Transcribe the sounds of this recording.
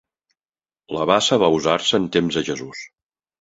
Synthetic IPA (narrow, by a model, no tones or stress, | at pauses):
ləβasəβauzaɾsəːnt̪emzðəʒəzus